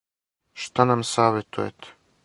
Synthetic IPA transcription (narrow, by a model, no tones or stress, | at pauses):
ʃt̪anamsaːʋet̪ʰujḛt̪